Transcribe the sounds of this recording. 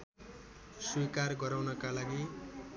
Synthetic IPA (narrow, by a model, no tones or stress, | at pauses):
swikarɡʌɾawnʌkalaɡi